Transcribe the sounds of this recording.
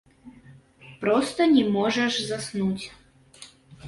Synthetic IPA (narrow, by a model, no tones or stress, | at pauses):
pɾɔst̪ɔnʲɛmɔʒɛʂzasnutʲ